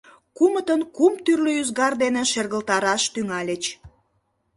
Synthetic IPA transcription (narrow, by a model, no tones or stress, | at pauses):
kumət̪ənkumt̪yrløyzɣɑrd̪eneʃerɣəlt̪ɑɾɑʃt̪yŋɑlʲet͡ɕ